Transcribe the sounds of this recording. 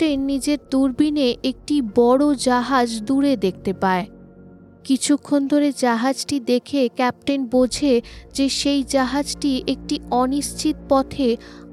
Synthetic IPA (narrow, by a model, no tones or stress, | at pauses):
ʈenːid͡ʑeɾd̪uɾbineʔek̚ʈibɔɽod͡ʑaɦad͡ʑd̪uɾed̪ek̚ʰt̪epae | kit͡ɕʰukʰːond̪ʱoɾed͡ʑaɦad͡ʑʈid̪ekʰekɛp̚ʈenbod͡ʑʱed͡ʑeʃejd͡ʑaɦad͡ʑʈiʔek̚ʈiɔniʃt͡ɕit̪pɔt̪ʰe